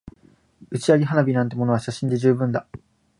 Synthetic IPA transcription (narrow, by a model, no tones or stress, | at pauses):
ɯ̟t͡ɕiaɡʲiɦanabʲinãnt̪̬emo̞no̞βaɕaɕĩnd̪e̞ʑɨːbɯ̟̃nd̪a